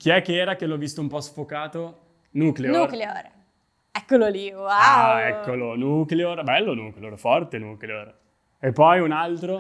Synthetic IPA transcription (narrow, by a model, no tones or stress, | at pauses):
kiɛkːeɛːɾak̟elɔvːist̪oumpɔsfokaːt̪o | nuːkleourkleoɾ | ɛkːololioaaɛkːolonukleorbɛlːonuːkleorfɔrt̪enuːkleor | epːɔjunalt̪ɾo